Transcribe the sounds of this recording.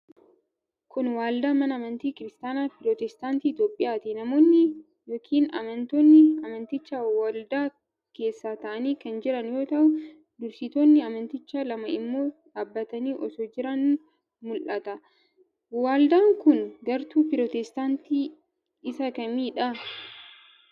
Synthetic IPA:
kʊnwaːld̪aːmɐnɐːmɐnt̪iːkɪɾɪst̪aːnaːpɪɾɔt̪ɛst̪aːnt̪iːɪt̪joːpʼːɪjaːt̪ɪnɐmo̞ːnːɪ | joːkʰiːnɐ̰mɐnt̪oːnːɪɐmɐnt̪ɪt͡ʃːaːwɐld̪aː | ke̞ːsːaːt̪ɐʔɐniːkɐnd͡ʒɪɾɐnjo̞ːt̪ɐʔʊ | d̪ʊɾsɪt̪oːnːɪɐmɐnt̪ɪt͡ʃːaːlɐmɐɪmːo̞ːdaːbːɐt̪ɐniːʔɔsoːd͡ʒɪɾɐn | mʊlʔɐt̪ɐ | waːld̪aːŋkʊnɡɐɾt̪uːpɪɾɔt̪ɛst̪aːnt̪iː | ɪsɐkɐmiːᶑɐ

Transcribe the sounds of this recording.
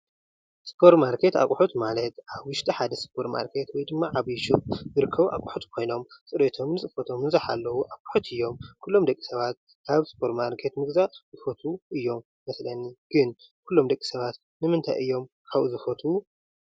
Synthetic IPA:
spʰo̞ɾmaɾkʰe̞t̪a̰kʼuħut̪malɐt̪ʔaβwʊʃt̪ʼiħad̪ɐspʰo̞ɾma̰ɾkʰe̞t̪wɔjd̪ɨmːaʕaβjʃuzɨɾɨkʰːɐβʔa̰kʼuħut̪kʰo̞jno̞msʼɨɾet̪ʰo̞mnɨt͡sʼɨfot̪ʰo̞mnɨzaħa̰lːɐwuʔakʼu̥ħut̪ɨjːo̞mkʰulːo̞md̪ɐkʼːi̥sɐβat̪̚ | kʰaβspʰo̞ɾtmaɾkʰe̞t̪mɨɡzazɨfot̪ʰuʔɨjːo̞mːɐslɐnːiɡ̥ɨn | kʰulːo̞md̪ɐkʼːi̥sɐβat̪ | nɨmɨnt̪ʰajʔɨjːo̞mkʰaβʔṵzɨfot̪ʰu

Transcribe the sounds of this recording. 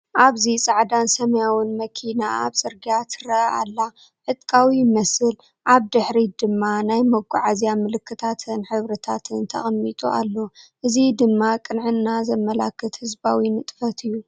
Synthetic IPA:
ʔaβzisʼaʕd̪ansɐmɐjawɨnmɐkʰina̰a̰βsʼɨɾɡijat̪ɾɐʔa̰lːa | ħɨt̪ʼkʼawimɐsɨl | ʔaβd̪ɨħɾid̪ɨmːanajmɐɡʷʼːuʕazjamɨlɨkʰːɨt̪ʰat̪ʰɨnħɨβɾɐt̪ʰat̪ʰɨnt̪ʰɐ̰xʼmːit̪ʼua̰lːo̞ʔɨzid̪ɨmːakʼɨnʕɨnːazɐmːɐlakʰːɨt̪hɨzbawinɨt̪ʼfɐt̪ʰɨjːu

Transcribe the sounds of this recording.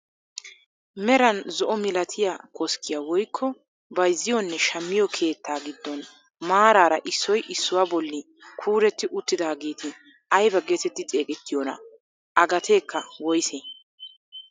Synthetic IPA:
mɛɾɐnzɔʔɔmɪlɐt̪ʰɪjakʰɔskːɪjawɔjkʰːɔ | bɐjzːɪjɔnːɛʃɐmːɪjɔkʰe̞ːt̪ːaːɡɪd̪ːɔn | maːɾaːɾɐʔɪsːɔjʔɪsːʊwaːbɔlːɪ | kʰuːɾɛt̪ːɪʔʊt̪ːɪd̪aːɡe̞ːt̪ʰɪ | ɐjbɐɡet̪ɛt̪ːɪt͡sʼe̞ːkʼɛt̪ːɪjɔnɐ̰ | ʔɐɡɐt̪ʰe̞ːkːɐwɔjse

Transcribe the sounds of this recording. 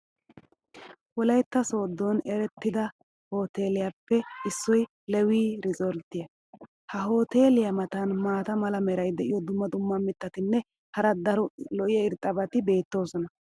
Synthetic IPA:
wɔlɐjt̪ːɐso̞ːd̪ːonɛɾɛt̪ːɪd̪ɐ | ho̞ːt̪e̞ːlɪjapːɛɪsːɔj | lɛwiːɾɪzɔlt̪ːɪjɐ | hɐɦo̞ːt̪e̞ːlɪjɐmɐt̪ɐnmaːt̪ɐmɐlɐmɛɾɐjd̪ɛʔɪjɔd̪ʊmːɐd̪ʊmːɐmɪt̪ːɐt̪ɪnːɛ | hɐɾɐd̪ɐɾɔlɔʔɪjɛɪɾt̪ʼːɐbɐt̪ɪbe̞ːt̪ːo̞ːsɔnɐ

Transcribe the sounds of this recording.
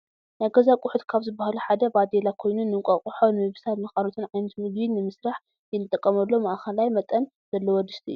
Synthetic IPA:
najɡɐzakʼʊħut̪kʰaβzɨbːahaluħad̪ɐbad̪elakʰo̞jnunːɨŋkʷʼɐkʼuħonɨmɨβsat̪mɐxʼalot̪ʰɨnʕajnɐt̪mɨɡbinːɨmɨsɾaħ | jɛnɨt̪ʼːɐkʼːɐmɐlːo̞maʔkʰɐlajmɐt̪ʼːɐn | z̥ɐlːɐwɔd̪ɨʃt̪ʰiɨ̰jːu

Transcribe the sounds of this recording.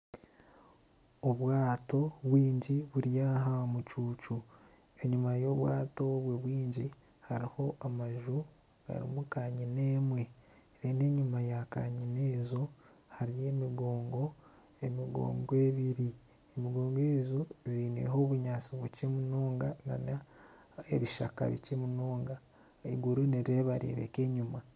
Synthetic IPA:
oβwaːto̞βwiːɲɟiβuɾjaɦamut͡ʃuːt͡ʃu | e̞ɲumajo̞ːβwaːto̞βweβwiːɲɟi | haɾiho̞ʔamaʒu | ɡ̥a̰ɾḭmukaɲine̞ːmwe̞ | ɾeːne̞ːɲumajaka̰ːɲine̞ːzo | haɾije̞ːmiɡoːŋɡo̞ | emiɡo̰ːŋɡwe̞βiɾi | emiɡo̞ːŋɡeːzuziːnḛɦoːβuɲaːt͡siβucemunoːŋɡana̰na | eβiʃa̰ka̰βḭcemunoːŋɡa | iɡuɾuneɾiɾeβaɾḭːɾḛke̞ɲuma

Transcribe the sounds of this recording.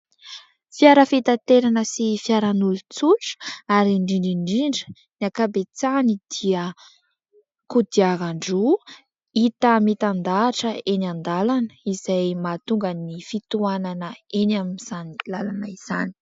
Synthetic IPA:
fjaɾəfit̪at̪eɾanəsifjaɾanulut͡suʈ͡ʂə̥aɾiɳɖ͡ʐiɳɖ͡ʐiɳɖ͡ʐiɳɖ͡ʐə̥ | niakabet͡sanid̪̥iə | kud̪iaɾaɳɖ͡ʐu | it̪əmit̪and̪aːʈ͡ʂəenand̪alanə̥izajmat̪uŋɡənifit̪uananəenaminz̥anilalanaiz̥ani̥

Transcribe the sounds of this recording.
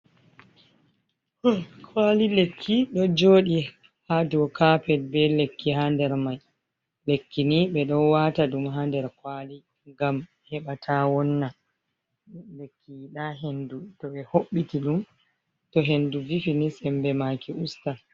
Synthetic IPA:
kʰwalilekʰːiɗɔd͡ʒoːɗi | haduɔkapɛlbɛlekːiɦandɛɾmaj | lekːiniɓɛɗɔwataɗumɦandɛɾkwali | ŋɡam | hɛɓatʰawɔnːa | lekːiɗaɦendutɔɓɛhoɓːitiɗum | tɔɦenduvifinisɛmbɛmakiʔusta

